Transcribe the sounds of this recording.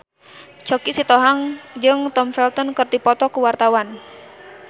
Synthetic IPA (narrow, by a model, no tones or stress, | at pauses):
t͡ʃɔkisit̪ɔɦaŋd͡ʒɨŋt̪ɔmfɛlt̪ɔnkɨrt̪ipɔt̪ɔkuwart̪awan